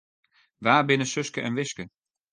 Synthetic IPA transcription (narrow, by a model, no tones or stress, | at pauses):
ʋaːbɪnəsøskəʔɛnʋɪskə